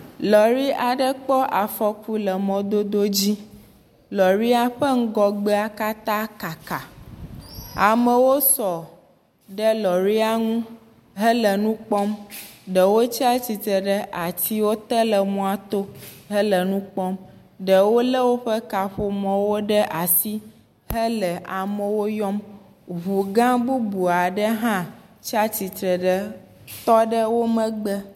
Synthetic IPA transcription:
lɔ˨ɾi˦ʔa˨ɖə˦k͡pɔ˦ʔa˨fɔ˨ku˦lə˨mɔ̃˨d̪o˦d̪o˦d͡ʑi˦ | lɔ˨ɾi˦a˦ɸə˦ŋ̩˦ɡɔ˨ɡ͡be˦a˦ka˦t̪ã˦ka˨ka˨ | a˨mə˨wo˦sɔ˨ | ɖə˦lɔ˨ɾi˦a˦ŋũ˦ | ɦə˦lə˨nũ˦k͡pɔ˦mɖə˨wo˦t͡ɕi˦a˦t͡ɕi˨t̪ə˨ɖə˦ʔa˨t̪i˦wo˦t̪ə˦lə˨mɔ̃˦a˦t̪o˦ɦə˦lə˨nũ˦k͡pɔ˦m | ɖə˨wo˦lə˦wo˦ɸə˦ka˨ɸo˨mɔ̃˨wo˦ɖə˦ʔa˨si˦ | ɦə˦lə˨ʔa˨mə˦wo˦jɔ˦m | ɦu˨ɡã˦bu˦bu˨a˨ɖə˦ɦã˦t͡ɕi˦a˦t͡ɕi˨t̪ɾə˨ɖə˦ | t̪ɔ˦ɖə˦wo˦mə̃˦ɡ͡bə˦

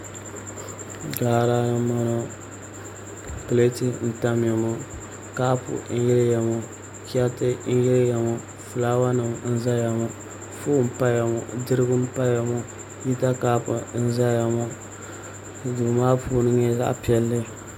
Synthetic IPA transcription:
ɡaː˨ɾa˦nɨ˦mɔ˦no˦ | pɨ˨le˦ti˦n̩˨ta˦m˦a˨mo˦ | kaː˦pʊ̰˨˦n̩˦jɪ˦lɨ˦ja˨mo˨ | ki˦a˦tɨ˦n̩˦jɪ˦lja˨mo˨ | fɨ˨laː˦wa˦nɨ˨m˦n̩˦za˦ja˨mɔ˨ | fu˦m̩˦˨pa˦ja˨mo˨dɨ˦ɾɨ˦ɡʊ˦m̩˦pa˦ja˨mo˦ | ji˦ta˦kaː˦pʊ˨n̩˦za˦ja˨mo˦˨ | du˨maː˦puː˦nɨ˦ɲɛ˦za̰˦ʔpi˦ɛ˦lːɨ˦

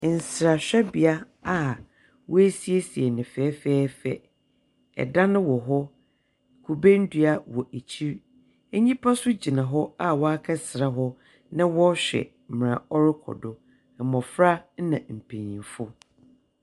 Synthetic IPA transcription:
n̩˨sɾa˨ɕᶣɛ˦bi˨a˦ | a˦ | wɔ˦æ˦si˦e˦si˨ɛ˨nɪ̃˨fɛː˨˦fɛː˦fɛ̰˨ | ɛ̰˨dã˦nɪ̃˦wɔ˨ɦɔ˦ | kʰu˨bẽ˦n̩˦dɥa˦wɔ˨ʔe˨t͡ɕʰi˦ɾ | e˦ɲĩ˦pʰa˦sʊ˦d͡ʑi˨nã˨ɦɔ˦a˦wɔ˦a˦kʰa˦sɾa˨ɦɔ˦ | nɪ̃˦wɔ˦ɕᶣɛ̰˨ | m̩˨m˨ɾã̰˨ɔ˦ɾɪ˦kʰɔ̰˨dɔ˨ | mɔ̃˨fɾa˦n˦nã˨m̩˨pʰẽ˨ɲĩ˨fʊ˦

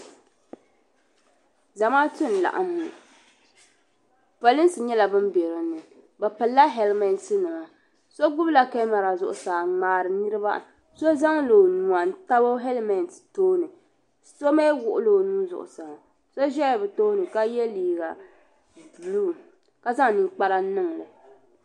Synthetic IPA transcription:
za˨maː˦tʊ˦n˨la̰˨ʔa̰˦mːu˨ | pa˨li˦n˦sɨ˨ɲɛ˦la˨bɨ˦mbɛ˨ɾɨ˨nːɨ˨ | bɛ˨pɨ˨lːa˦ɦɛ˨lmɛ˨nsɨ˦nɨ˨ma˨ | so˦ɡʊ˦bla˨ka˦ma˨ɾa˨zʊ̰˨ʔʊ˨saː˨ŋ͡maː˨ɾɨ˨nɨ˦ɾɨ˦ba̰˦ | so˦za˦ŋlo˨nu˨a˨n˦ta˦bo˦ɦɛ˦lmɛ˨nttoː˦nɨ˨ | so˦me˦wʊ˨ʔʊ˦lo˨nuː˦zʊ̰˨ʔʊ̰˨sa˨ŋ˨ | so˦ʒɛ˦˨bɛ˨toː˦nɨ˨ka˦jɛ˦liː˨ɡa˨ | du˨lu˦˨ | ka˦za˦ŋ˨ni˨k͡pa˦ɾa˦nɨ˦ŋlɨ˨

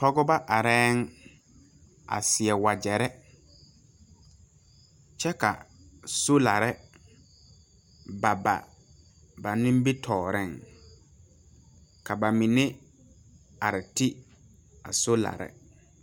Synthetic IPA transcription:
tɔ˦ɡɔ˦ba˦ʔa˨ɾɛː˦ŋ | a̰˨sɪ˨ɛ˨wa˨d͡ʒɛ˨ɾɛ˦ | t͡ʃɛ˦ka̰˨ | so˦la˨ɾɛ˦ | ba˨ba̰˨ | ba˨nɪ̃˦m˦bi˦tʰɔː˨ɾɪ˦˨ŋ | ka˨ba˨mi˨nɪ˦ | a˨ɾɪ˨ti˦ | a̰˨so˦la̰˨ɾɛ̰˦

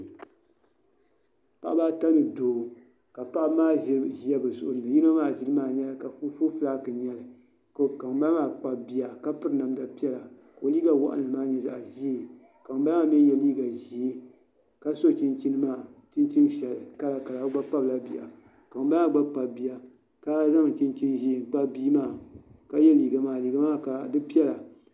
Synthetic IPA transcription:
pa˦ʔa˦baː˦ta˦nɨ˨doː˨ | ka˨pa˦ʔmaː˦ʒi˦a˦bɨ˨zʊ̰˨ʔʊ˨nɨ˨ji˦n˦a˦maː˦˨ʒi˦lɨ˦maː˦˨ɲɛ˦la˨ka˨fu˦fo˦fɨ˦la˦˨kɨ˨ɲɛ˨lɨ˨ | ko˦ka˨ŋba˦maː˦˨k͡pa˨bi˦a˨ka˦pɨ˦ɾɨ˦na˨mda˨pi˦ɛ˦la˨ | ka˨o˨liː˦ɡa˦wa̰˦ʔa̰˦nɨ˨maː˦ɲɛ˨za̰˨ʔʒi˦e˨ | ka˨ŋ˦ba˦ma˦m˦ɛ˦jɛ˦liː˦ɡa˨ʒi˨e˦ | ka˦so˦˨t͡ʃi˦nt͡ʃi˦nɨ˦maː˦˨t͡ʃi˦nt͡ʃi˦n˦ʃɛ˨lɨ˨ka˦la˨ka˨la˨˦ɡ͡ba˦k͡pa˦bla˦bi˨a̰˨ | ka˨m˦ba˦a˦ɡ͡ba˦k͡pa˨bi˨ja˨ | ka˦za˦ŋ̩˨t͡ʃi˦nt͡ʃi˦nʒi˦e˨k͡pa˦biː˦maː˦˨ka˦jɛ˦liː˨ɡa˨maː˨liː˨ɡa˦maː˦ka˨dɨ˦pi˦ɛ˦la˨

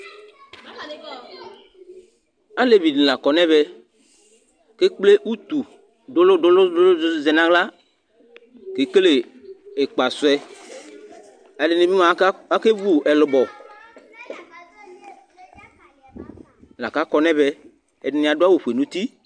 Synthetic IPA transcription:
a˦le˨vi˨d̩˨la˨kɔ˨nɛ̃˦βɛ˦ | ke˦k͡ple˦ʔu˦t̪u˨ | do˦lo˦do˦lʊ˦lzɛ˨nã˦ɣla˦ | ke˨ke˦le˨e˨k͡pa˨sʊ˨˦ɛ˦ | a˨le˨nẽ˨bi˦ma˨˦a˦ke˦vu˦ɛ˨lʊ˨bɔ˨ | la˨ka˦kɔ˨nɛ̃˦bɛ˦ | ɛ˨nɪ˨nĩ˨a˨do˦a˦wo˨ɸu˨e˨nũ˦t̪i˦

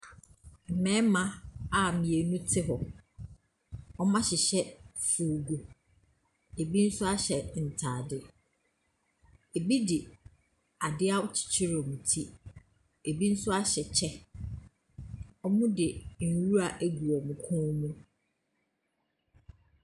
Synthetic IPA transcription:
m̩˨mɛ̃˦mã˦a˨mĩ˨e˨nũ˦tʰɪ˦ɦɔ˨ | ɔ˦mã˦ɕɪ˨ɕɛ˦fu˨ɡu˨ | e˨bi˦n̩˦sʊ˦a˦ɕɛ˨n̩˨tʰaː˨dɪ˦ | e˨bi˦dɪ˨ | a˨dɪ˦a˦ʊ˦t͡ɕʰi̥˨t͡ɕʰɪ˦ɾɔ˨mũ˨tʰi˦ | e˨bi˦n̩˦sʊ˦a˦ɕɛ˨t͡ɕʰɛ˦ | ɔ˦mʊ̃˦dɪ˨n̩˨wu˦ɾa˨ʔæ˦ɡu˨ɔ˨mũ˨kʰɔ̃˦mũ˦

